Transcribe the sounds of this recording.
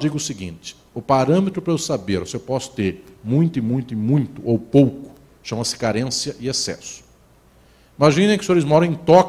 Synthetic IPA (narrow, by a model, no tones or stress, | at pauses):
d͡ʒiɡʊsɪɡḭ̃nt͡ʃɪ̥ | ʊpaɾɐ̃met̪ɾʊpɾɐʊsabeɾʊsewpɔsʊ̥t̪eɾmũj̃t̪ʊɪmũj̃t̪ʊɪmũj̃t̪ʊʔowpowkʊ̥ | ʃɐ̃mɐsɪ̥kaɾẽsjɐʔɪesɛ̰sʊ̥ | imaʒĩnẽj̃kɪsoɾɪzmɔɾɐ̃w̃ẽj̃t̪ɔk